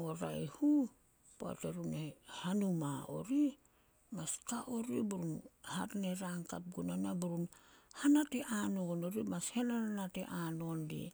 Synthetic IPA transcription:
oɾa̰jhu | poa̰teɾunehanumao̞̰ɾi | maskaʔo̞ɾibuɾunhaɾne̞ɾaŋkap̚ɡunanabuɾunhanateʔanoono̞ɾimashenaɾanatḛʔano̞ndḭ

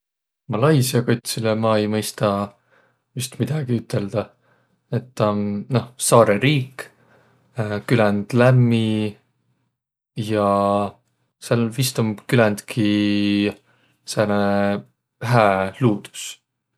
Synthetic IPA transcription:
mɑlɑjsiɑkot̪ʲsilemɑe̞jmɤjst̪ɑ | vyst̪mid̪̥ɑɡ̥iyt̪ˑːe̞ld̪̥ɑ | e̞t̪ːɑmno̞hsɑːɾeɾiːk | kylɛnd̪̥læmːi | jɑ | selvist̪omkylɛnd̪̥kʰi | sæne | ɦæːluːd̪̥u̥s

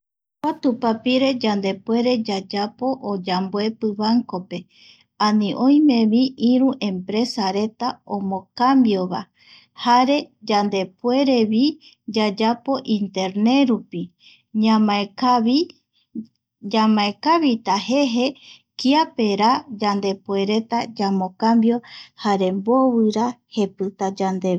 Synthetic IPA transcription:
kʷat̪upapiɾe̞d͡ʒand̪e̞pwe̞ɾe̞d͡ʒad͡ʒapo̞ʔod͡ʒambwe̞pɨβaŋko̞pe̞ | anĩʔõ̞j̃mẽ̞βiʔiɾũʔẽ̞mpɾe̞saɾe̞t̪aõmõ̞kambjo̞βa̰ | haɾe̞d͡ʒand̪e̞pwe̞ɾe̞βi | d͡ʒad͡ʒapo̞ʔĩnt̪e̞ɾne̞ɾupi | ɲamaei | d͡ʒamãekaβit̪aɦe̞ɦe̞ | kiapeɾad͡ʒand̪e̞pwe̞ɾe̞t̪ad͡ʒamõ̞kambjo̞haɾe̞mbo̞βɨɾahe̞pɨt̪ad͡ʒand̪e̞

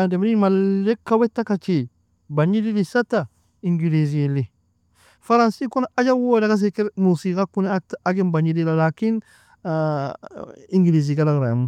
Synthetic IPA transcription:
andemɾimalːekːawetːakat͡ʃe | baɲililisata | iŋɡilizieli | faɾansikunaad͡ʒawodakas̬ekeɾmusiːkakunataɡinbaɲidilalakin | iŋɡiliz̬ikalaɡɾamu

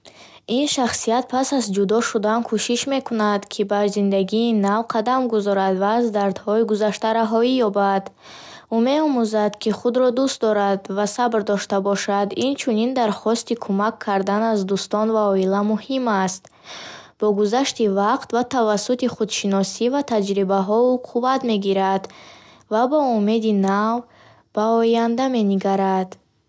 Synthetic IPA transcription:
inʃaχsijat̪̚pʰasazd͡ʒud̪ɔʃud̪ankʰuʃiʃme̞kʰunad̪kʰibaɾzind̪aɡiːnavqʰad̪amɡuzɔɾad̪vaːzd̪aɾd̪hɔiɡuzaʃt̪aɾaɦɔijɔbad̪ | ume̞ɔmuzad̪kʰiχud̪ɾɔd̪ust̪̚d̪ɔɾad̪vasabɾd̪ɔʃt̪abɔʃad̪int͡ʃʰunind̪aɾχɔst̪ikʰumakʰːaɾd̪anazd̪ust̪ɔnvaɔilamuhimast̪ | b̥ɔɡuzaʃt̪ivaqt̪vat̪ʰavasːut̪iχud̪ʃinɔsivat̪ʰad͡ʒɾibaɦɔuqʰuvat̪me̞ɡiɾad̪ | vabɔume̞d̪inav | b̥aɔjand̪ame̞niɡaɾad̪

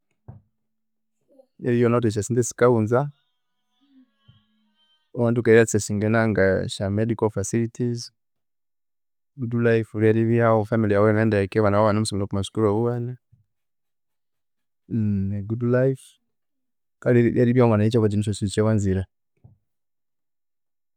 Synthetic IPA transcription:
jaɾijɔnatɛʃ̬asindɛsi̥kaunza | ɔwandukaɾasɛsiŋɡɛnaŋɡaʃamɛdikɔlfasilitʰiz | ɡudlajfuɾiaɾiβiaɔfamilijawɛmɛndaɛkɛwanawawanum̩sɔmilɔkumaʃu̥kuɾauwana | nɛɡudlajf | kalijaɾiβjamwanait͡ʃakad͡ʒinis̬ɔsiit͡ʃawanziɾa

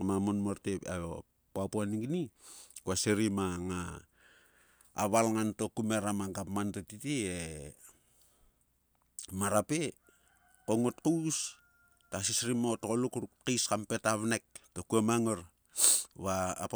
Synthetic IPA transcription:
mamonmoɾtepa̰o | poapoaniɡnikuaseɾimaŋa | βalŋanto̞kumeɾamaɡapmantotitie | maɾape | koŋotkus | tasisɾimootokolukɾukiskampe̞taβnek̚tokuemaŋoɾ | βaː

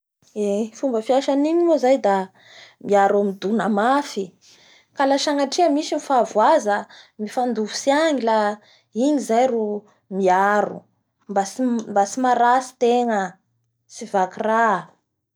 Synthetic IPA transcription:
efumbəfiaʃaniɲimozajd̪a | miaɾamid̪unəmafi | kalaʃaŋaʈ͡ʂiəmisimifavuazəmifand̪uvusiaŋila | iɲizajru | miaɾṵ | mbasmbasimaɾasi̥t̪eŋə | sivakira

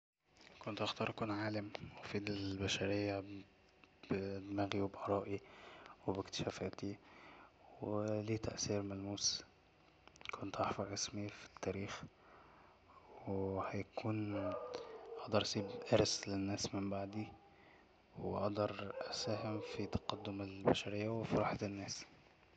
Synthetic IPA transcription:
kont̪ʔaxt̪ɑːɾˤʔakuːnʕaːlamwefiːd̪ɪlbæʃæɾejːa | b̥d̪mæːɣiwebʔɑɾˤɑːʔiwebekt̪ɪ̥ʃæːfæːt̪i | weliːt̪æ̰ʔsiːɾmælmuːs | kʰont̪ʔɑħfɑɾˤʕesmifi̥t̪ːæːɾiːx | wehæjkʰuːn | ʔɑʔd̪ɑɾˤʔɑsˤiːbʔɪɾslɪnːæːsmɪmbaʕd̪i | wʔɑʔd̪ɑɾˤʔæsæːhɪmfit̪ɑ̥qɑd̪ːʊmɪlbæʃæɾɪjːawɪfiɾˤɑːħat̪ɪnːæːs

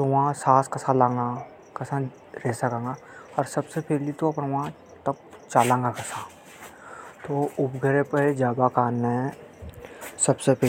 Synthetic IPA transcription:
t̪oʋãsaːskɐsãlãːŋɡa | kɐsã | ɾeːsakãːŋɡa | ɔːɾsɐbsepeːlit̪oɐpnʋã | t̪ɐkt͡ʃaːlãːŋɡakɐsã | t̪oːʊpɡʱəɾepəed͡ʒaːbakaːnẽ | sɐbsepɛː

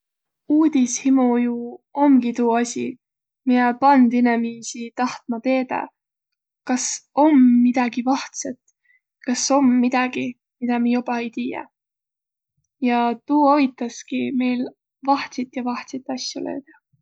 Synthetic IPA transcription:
uːd̪ishimujuo̞mɡ̥it̪uːɑsʲḭ | mijepɑnd̪inemiːsit̪ɑht̪̚mɑt̪e̞ːd̪ɑ̰ | kɑso̞mːid̪̥ɑɡ̥ivɑht̪set̪ | kɑso̞mːid̪̥ɑɡ̥i | mid̪̥ɑmijob̥ɑe̞jt̪iːjḛ | jɑt̪uːovit̪ːˑɑskime̞jl | vɑht̪sit̪ˑjɑvɑht̪sit̪ːˑɑsʲjulø̰ːd̪̥ɑ̥

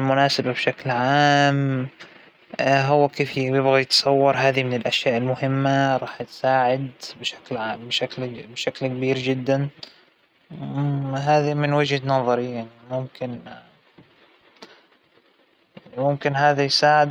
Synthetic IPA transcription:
lmʊnaːsababʃaklʕaːm | ɦʊwːakeːfjɪbɣajɪt̪sˤɑwːɑɾˤɦaːðimɪnɪlʔaʃjaːʔɪlmʊhɪmːaɾˤɑːħt̪saːʕɪd̪bʃḁklʕaːmbʃaklbʃaklkabiːɾd͡ʒɪd̪ːan | ɦaːðimɪnwɪd͡ʒhanɑðˤɑɾijːanmʊmkɪn | jimʊmkɪnɦaːðajsaːʕɪd̪

